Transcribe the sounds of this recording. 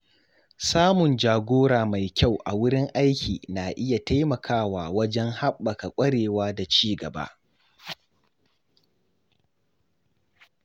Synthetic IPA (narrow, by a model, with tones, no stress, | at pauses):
saː˦mʊ˨nd͡ʒaː˨ɡʷoː˦ɽaː˨ma˨jkʲa˦˨wʔa̰˨wʊ˦ɽɪ˦ŋʔa˦jkʲʰḭː˨naː˨ʔɪ˦ja˨ta˦jmɐ˨kʰaː˦waː˨wɐ˦d͡ʒɛ˦ŋha˦ɓːɐ˨ka˨kʷʼɐ˦ɽeː˨waː˦da˨t͡ʃiː˦ɡɐ˨ba̰˦ʔ